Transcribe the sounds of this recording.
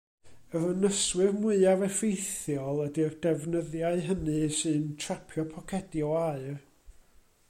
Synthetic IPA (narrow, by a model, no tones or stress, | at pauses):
əvənəswɨrmʊɨavɛfejθjɔlˠədirdɛvnəðjaɨɦənɨsɨntʰrapʰjɔpʰɔkʰɛdjɔaɨr